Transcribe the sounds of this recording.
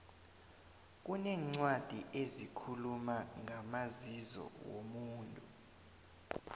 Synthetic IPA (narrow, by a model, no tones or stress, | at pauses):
k̬ʼunɛːŋ͡ǀwad̥ʱiʔezikʰulumaŋamazizɔ̰wo̰muːntʼu